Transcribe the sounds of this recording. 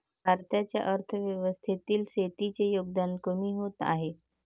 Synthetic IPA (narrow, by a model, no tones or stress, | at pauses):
bʱaɾt̪jat͡ɕja̰ʔəɾt̪ʰəʋjəʋəst̪ʰit̪iːlset̪it͡ɕejoɡ̚d̪ankəmiɦot̪a̰ɦe